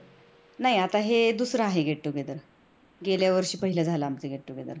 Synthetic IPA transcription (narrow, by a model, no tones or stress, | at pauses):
naɦiat̪aɦed̪usɾaːɦeɡʱeɽʈ̪oɡed̪əɾ | ɡeljaʋəɾɕiːpəɦiləd͡zʱalaːmt͡seɡʱeɽʈ̪oɡed̪ə̰ɾ